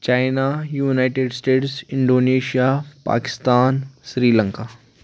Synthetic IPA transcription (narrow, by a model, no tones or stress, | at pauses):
t͡ʃaːɪnajuːnaɪʈeɖsʈeːʈsɪ̃ɳɖoːneːʃijapa̰ːkɪ̥st̪aːnʃɾiːlə̃ŋkaː